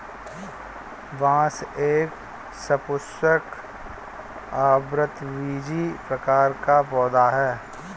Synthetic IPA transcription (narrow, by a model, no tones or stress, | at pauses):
ʋãːseːk | səpʊstək | aːbɾət̪ʋiːd͡ʒipɾəkaːɾkapɔːd̪aɦɛː